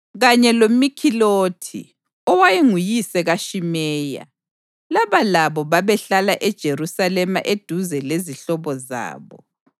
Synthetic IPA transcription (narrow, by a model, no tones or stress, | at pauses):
ɣaɲɛlomikʰiloːtʰḭ | ɔwajeŋujisɛɣaʃimɛːja̰ | laβalaβɔβaβɛɬalaʔɛd̥ʒ̥ʱeɾusalɛmaʔed̥ʱuzɛleziɬɔβɔza̰ːβɔ̰